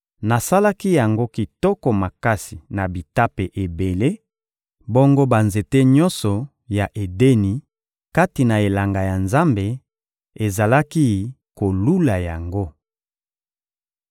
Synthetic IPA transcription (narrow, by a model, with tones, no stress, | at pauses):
na˨sa˦la˦ki˦ja˨ŋɡo˦ki˨tɔ˦kɔ˨ma˨ka˦si˨na˨bi˨ta˦pe˨ʔe˨be˨le˦ | bo˦ŋɡo˦ba˨nze˨te˦ɲɔ˦nsɔ˨ | ja˨ʔe˨de˦ni˨ | ka˦ti˨na˨e˨la˨ŋɡa˨ja˨nza˦mbe˨ | e˨za˨la˦ki˦˨ | ko˨lu˦la˨ja˨ŋɡo˦